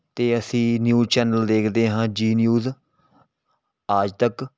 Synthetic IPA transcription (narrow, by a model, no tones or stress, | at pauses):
t̪eːəsĩːnjuːzt͡ʃɛːnəld̪eːkʰd̪eːɦãːd͡ʒiːnjuːz | aːd͡ʒt̪ək